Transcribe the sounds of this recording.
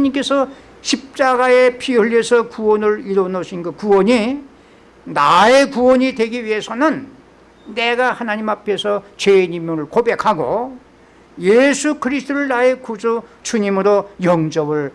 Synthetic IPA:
ɲimk͈e̞sʰʌ | ɕʰip̚t͡ɕ͈aɡae̞pʰiɯɭːesʰʌkuwʌnɯɾiɾonoɕʰinɡɯkuwʌɲi | nae̞kuwʌɲidwe̞ɡiɥiɦe̞sʰʌnɯnː | e̞ɡahanaɲimapʰe̞sʰʌt͡ɕeɲimjoɾɯɭkobe̞kʰaɡo | jesʰukɯɾisʰtʰoɾɯɭnae̞kud͡ʑot͡ɕuɲimɯɾojʌŋd͡ʑʌbɯɭ

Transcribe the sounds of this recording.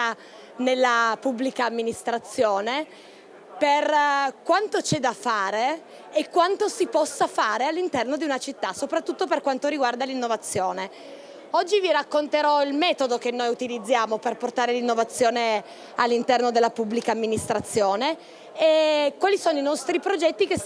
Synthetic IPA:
a | nelːapubːlikaːmːinist̪ɾat̪sːjoːne | perkwant̪ot͡ʃɛd̪afːaːɾeː | kːwant̪osipɔsːafaːɾealːint̪ɛrnod̪iunat͡ʃit̪ːasopɾat̪ːut̪ːoperkwant̪oɾiɡward̪alinːovat̪sːjoːne | ɔd͡ʒːiviɾakːont̪eɾɔilmɛːt̪od̪okenːojut̪ilid̪zːjaːmoperport̪aːɾelinːovat̪sːjoːne | alːint̪ɛrnod̪elːapubːlikaːmːinist̪ɾat̪sːjoːne | ekwaːlisoːnoinɔst̪ɾipɾod͡ʒɛt̪ːikes

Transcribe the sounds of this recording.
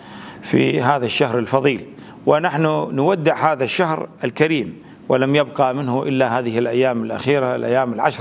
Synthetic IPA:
fḭɦaːðaʃːahɾɪlfɑðˤiːl | wɪnaħnunwad̪ːɪʕhaːðaʃːahɾɪlkaɾiːm | wɪlamjɪbqɑmɪnhʊʔɪlːahaːðɪhɪlʔajːaːmɪlʔa̰xiːɾalʔa̰jːaːmɪlʕaʃɾˤ

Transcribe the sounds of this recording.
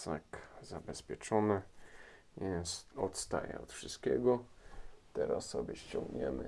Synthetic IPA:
sakzabɛspʲjɛt͡ʂɔnɘ | jɛsɔt̪st̪a̰jɛ̰ɔt̪fʂɨst̪kʲɛɡɔ | t̪ɛɾasːɔbʲɛɕt͡ɕɔ̃ŋɡɲɛ̰mɘ̰

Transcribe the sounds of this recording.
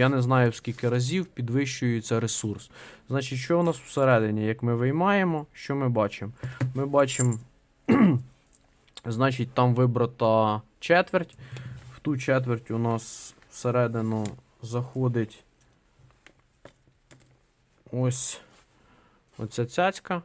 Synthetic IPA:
janɛznɑjʊskʲilʲkɪɾɐzʲiwpʲid̪ʋɪʃt͡ʃʊjɛt̪sɛɾesursznɑt͡ʃitʲʃt͡ʃɔʊnɑsw̥seɾɛd̪ɪnʲijɐkmɪʋɪjmɑjemɔʃt͡ʃɔmɪbɑt͡ʃemːɪbɑt͡ʃem | znɑt͡ʃit̚ʲt̪ɑmʋɪbɾɐt̪ɐ | t͡ʃɛt̪ʋertʲw̥t̪ut͡ʃɛt̪̬ʋertʲʊnɑswseɾɛd̪ɪnʊ | zɐxɔd̪ɪtʲ | ɔsʲ | ɔ̰t͡sʲat͡sʲɑt͡sʲkɐ

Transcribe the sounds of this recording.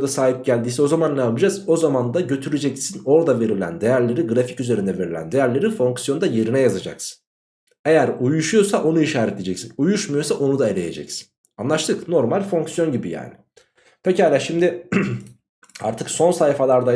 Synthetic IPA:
d̪asaːɦip̚ɟælʲd̪iːsɛo̞zamanlɛapɯd͡ʒazo̞zamand̪aɟø̞t̪ʰyɾed͡ʒɛcsino̞ɾd̪ave̞ɾilʲæ̰nd̪e̞jæɾlʲe̞ɾiɡɾafi̥cyzeɾind̪ɛve̞ɾilʲæ̰nd̪e̞jæɾlʲe̞ɾifo̞ŋksjo̞nd̪aje̞ɾinɛjazad͡ʒa̰ksɯ̥n | e̞jæɾujuʃujo̞saʔo̞nuiʃaːɾɛt̪ʰʲed͡ʒɛcsinujuʃmujosaʔo̞nud̪ae̞lʲe̞je̞̰d͡ʒɛ̰csi̥n | anlˠaʃt̪ʰɯkno̞ɾmalʲfo̞ŋksjo̞nɟibija̰ːnɪ | pʰecaːlʲaʃimd̪ɪ | a̰ɾt̪ʰɯkso̞nsajfalˠaɾd̪a

